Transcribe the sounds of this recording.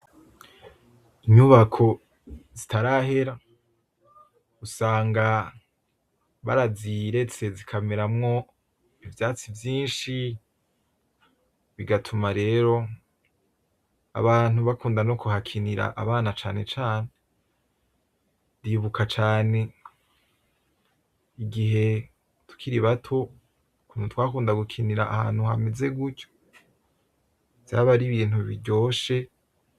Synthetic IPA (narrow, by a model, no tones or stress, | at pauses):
iɲuβakʰo̞ | zitaɾaːɦe̞ɾa | usaːŋɡa | βa̰ɾaziɾe̞t͡se̞zikʰameɾamŋo̞ | ivjaːt͡sivjiːnʃi | βiɡatʰumaɾe̞ːɾo̞ | a̰βaːnuβakuːndano̞kuhakʰiniɾa̰ʔa̰βaːnat͡ʃaːne̞t͡ʃaːne | diβukʰat͡ʃaːne̞ | iɡiɦe̞ | tu̥kʰiɾiβatʰo̞ | kunut̪waːkuːndaɡukʰiniɾa̰ːha̰ːn̥huhameze̞ɡuco̥ | z̥aβaɾiβiːn̥huβiɾɟo̞ːʃe̞